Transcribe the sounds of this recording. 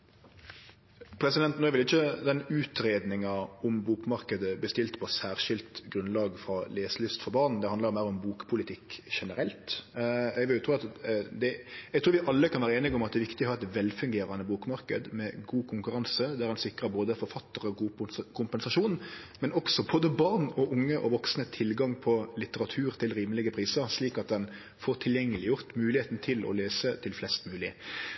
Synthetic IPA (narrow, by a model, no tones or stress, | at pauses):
pʰɾɛsɪd̪ɛnt̪nɔʏʋɪlɪçːəd̪ɛnʉːt̪ɾeːd̪nɪŋɑɔmbuːkmɑɾkəd̪əbəst̪ɪlt̪pʰɔsæːɾʂɪlt̪ɡɾʉnlɑːɡfɾɑleːslʏst̪fɔɾbɑːɾnn̩d̪ɛhɑnd̪əɾmæɪɾɔmbuːkpʰʊlɪt̪ʰɪkːʃɛnəɾɛlt̪ɛɡʋɪlʊt̪ʰɾuːɑt̪d̪ɛɛɡt̪ʰɾuːɾʋɪʔɑlːəkʰɑnʋæːɾəeːnɪɡɔmɑt̪d̪ɛːʋɪkt̪ɪɔhɑɾɛt̪ʋɛlfʉŋɡeːɾɑnəbuːkmɑɾkə̰d̪mɛɡuːkʰʊŋkʉɾɑnsəd̪æɾɛnsɪkːɾəboːd̪əfɔɾfɑt̪ːəɾəɔkʰʊmpɛnsɑʂuːnmɛnɔksɔboːd̪əbɑʁnɔʔʊŋːəʔɔʋɔksnət̪ʰɪlɡɑŋpʰɔlɪt̪əɾɑt̪ʰʉːɾt̪ʰɪlɾiːməlɪɡəpʰɾiːsəɾsliːkɑt̪̚d̪ɛn | foːɾt̪ʰɪljɛŋːəlɪjʊʁt̪mʉːlɪheːt̪n̩t̪ʰɪlɔ̰leːsət̪ʰɪlflɛst̪mʉːlɪ